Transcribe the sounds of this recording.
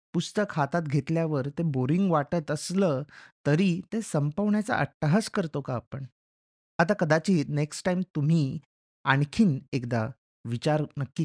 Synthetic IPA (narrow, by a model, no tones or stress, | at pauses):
pust̪əkɦat̪at̪ɡʱet̪ljaʋəɾt̪eboɾiŋɡʋaʈət̪əsləːt̪əɾiːt̪esəmpəʋɳjat͡sa̰ʔəʈːəɦəskəɾt̪okaːpəɳ | at̪akəd̪at͡ɕiːneksʈajmt̪um̤iː | aɳkʰiːnekd̪a | ʋit͡ɕaɾnəkːiː